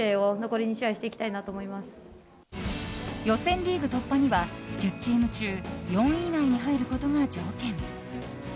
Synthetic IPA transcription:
eːono̞ko̞ɾʲiɲ̟iɕiaiɕi̥t̪e̞ikʲi̥t̪ainat̪o̞ːmo̞imasɨ̥ | jo̞sẽ̞nɾʲiːɡɯ̟t̪o̞pːaɲ̟iβad͡ʑɨt͡ɕt͡ɕːiːmɯ̟t͡ɕɨːjõ̞ɰ̃inaiɲ̟iɦaiɾɯ̟ko̞t̪o̞ŋad͡ʑo̞ːkẽ̞ɴ

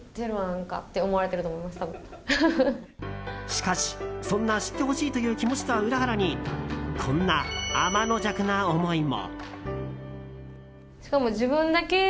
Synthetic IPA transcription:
d̪eɾɯanãŋka̰t̪ːe̞o̞mo̞aɾe̞t̪eɾɯ̟t̪omoimaɕi̥t̪abɯ | ɕi̥kaɕi̥sõ̞nːaɕi̥t̪ːe̞ɦo̞ɕiːt̪o̞jɯ̟ːkʲimo̞t͡ɕi̥t̪oβaɯ̟ɾaɦaɾaɲ̟ikʰõ̞nːaːmano̞d͡ʑakɯ̟naomo̞imo̰ | ɕi̥kamo̞d͡ʑibɯ̟̃nd̪ake̞

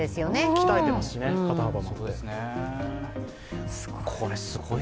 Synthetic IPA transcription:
d̪e̞sɨjoneki̥t̪aet̪e̞masɨ̥ɕinekat̪anabasod̪esne | s | kʰoɾesɨɡo

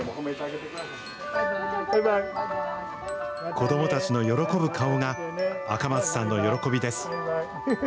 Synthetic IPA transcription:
ko̞d̪o̞mo̞t̪at͡ɕino̞jo̞ɾo̞ko̞bɯ̟kʰaoŋaakamat͡sɨ̥sãnːo̞jo̞ɾo̞ko̞bʲid̪e̞sɨ̥

